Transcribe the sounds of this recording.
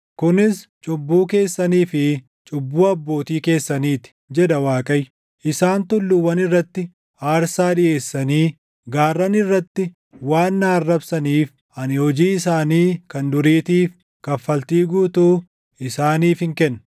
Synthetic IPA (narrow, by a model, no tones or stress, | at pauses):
kʊnɪst͡ʃʼʊbːuːke̞ːsːɐniːfɪ | t͡ʃʼʊbːuːɐbːo̞ːt̪iːke̞ːsːɐniːt̪ɪ̥d͡ʒɛᶑ̪ɐwaːkʼɐj | ʔɪsaːnt̪ʊlːʊwɐnɪrːɐt̪ːɪ | aːɾsaːᶑɪʔe̞ːsːɐniː | ɡaːrːɐnɪrːɐt̪ːɪ | waːnːaːɐrːɐbsɐniːf | ɐnɪhɔd͡ʒiːɪsaːniːkɐnd̪ʊɾiːt̪iːf | kɐfɐlt̪iːɡuːt̪uː | ɪsaːniːfɪŋkɛnː